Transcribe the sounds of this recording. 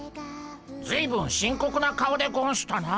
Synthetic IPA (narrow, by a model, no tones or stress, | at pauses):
d͡zɨiːbɯ̟̃ɰ̃ɕĩŋko̞kɯ̟nakaod̪e̞ɡõɕi̥t̪ana